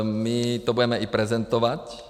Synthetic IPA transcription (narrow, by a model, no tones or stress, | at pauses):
mit̪ɔbuɟɛmɛʔipɾɛzɛnt̪ɔʋac